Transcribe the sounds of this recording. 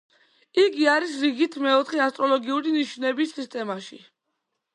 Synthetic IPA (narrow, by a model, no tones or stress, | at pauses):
iɡiaɾisɾiɡit̪ʰmɛɔt̪ʰχɛast̪ʼɾɔlɔɡiuɾiniʃnɛbisːist̪ʼɛmaʃi